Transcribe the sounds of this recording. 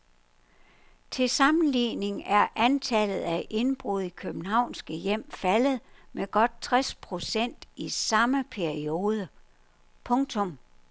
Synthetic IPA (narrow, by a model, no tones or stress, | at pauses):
t͡sʰe̝sɑ̈mn̩liːne̝ŋæɐʔænt͡sʰælð̩ˠæʔe̝nb̥ʁuð̰ˠikʰøb̥n̩hɑ̈ʊ̰nsɡ̥əjem̰fæləð̞̩ˠmeɡ̥ɒ̽d̥̚t͡sʰʁɛspʰʁo̝sen̰d̥isɑ̈məpʰæɐio̝ːð̞ˠə | pʰɔ̽ŋt͡sʰɔ̽m